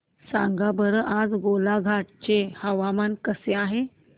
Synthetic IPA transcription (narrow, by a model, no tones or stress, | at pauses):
sã̰ŋɡabəɾəʔad͡zɡolaɡʱaʈ̚t͡ɕehəʋamankəseaɦe